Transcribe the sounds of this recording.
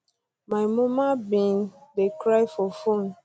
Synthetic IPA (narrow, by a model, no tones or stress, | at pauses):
maɪmɔmabĩndekɾajfɔfon